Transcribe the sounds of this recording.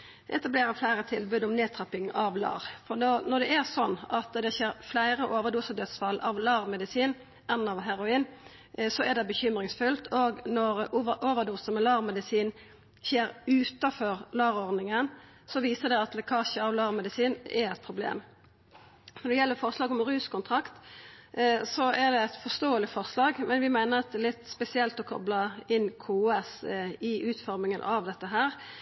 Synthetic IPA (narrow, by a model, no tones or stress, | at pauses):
ʔɛt̪ɑbleːɾəflæɪɾət̪ʰɪlbʉːd̪ɔmneːt̪ʰɾɑpɪŋɑʋlɑ̰ːʁfɔnɔnɔd̪ɛɛʁsɔnːɑt̪d̪ɛçeːɾflæɪɾəʔoːʋəd̪uːsəd̪œt̪sfɑlːʔɑʋlɑːɾmɛd̪ɪsiːn | ʔɛnːɑʋɦæɾʊiːn | sɔæd̪ɛbəçʏmʁɪŋsfʉlt̪ʰoːɡnɔɾʔoːʋəd̪uːsəmɛlɑːɾmɛd̪ɪsiːn | çeːɾʉːt̪ɑfɔɾlɑːʁɔʁnɪŋən | sɔʋiːsəd̪ɛɑt̪lɛkʰɑːçəɑʋlɑːɾmɛd̪ɪsiːnɛɾɛt̪̚pʰɾʊblḛːm | nɔʁd̪ɛjɛlːəfɔʁslɑːɡɔmʁʉːskʊnt̪ʰʁɑkt̪ | sɔʔɛd̪ɛæt̪fɔst̪oːəlɪfɔʁslɑːɡmɛnʋɪmæɪnəʁɑt̪̚lɪt̪ːspɛsɪɛlt̪ɔkʰɔ̰blɑɪnːkʰuːɛsɪʔʉːt̪fɔɾmɪŋənʔɑʋd̪ɛt̪ːəɦæːʁ